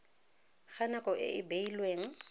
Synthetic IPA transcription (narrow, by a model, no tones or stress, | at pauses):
ɣanakʼɔʔɪ̰ʔɪbeilweːŋ̩